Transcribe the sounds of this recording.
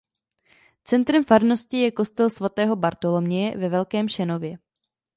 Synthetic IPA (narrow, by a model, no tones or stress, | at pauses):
t͡sɛnt̪ɾɛmfaɾno̞scɪjɛko̞st̪ɛlsvat̪ɛːɦo̞baɾt̪o̞lo̞mɲɪjɛvɛvɛlkɛːmʃɛno̞vjɛ